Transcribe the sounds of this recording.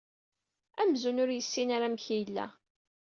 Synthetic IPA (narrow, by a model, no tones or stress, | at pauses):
æmzunʊɾjəsːinaɾamçijəlːæ̰